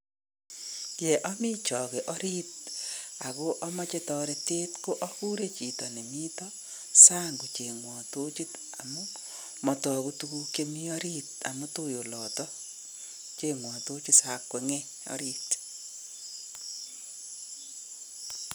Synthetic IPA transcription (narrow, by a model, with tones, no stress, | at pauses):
jɛ˨ʔɔ˦mɪ˦t͡ʃɔ˨ɣe˨ʔɔ˦ɾi˦t̚a˨ɣo˦ʔɔ˦mɔ˦t͡ʃe˦tɔ˦ɾe˨te˦tko˦ʔɔ˦ku˦ɾe˦t͡ʃi˨tɔ˨ne˨mi˦tɔ˦ | sa˦ŋɡu˨t͡ʃe˨ŋwɔ˨to˦t͡ʃi˦t | a˨mʊ˦ | mɔ˨tɔ˨ɣu˦tu˦ku˦ke˦mi˦ɔ˦ɾi˦ta̰˨mʊ˦to˦jo˨lɔ˨tɔ˦ | t͡ʃe˦ŋwɔ˨to˦t͡ʃi˦sa˨kːwɛ˨ŋɛ˦ | ɔ̰˦ɾi˦t